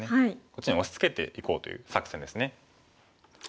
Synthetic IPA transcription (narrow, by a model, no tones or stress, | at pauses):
neaikot͡ɕːiɲĩoɕi̥t͡sɨ̥ke̞t̪e̞̰ʔiko̞ːt̪o̞̰jɯ̟ːsakɯ̥sẽnd̪e̞sɨne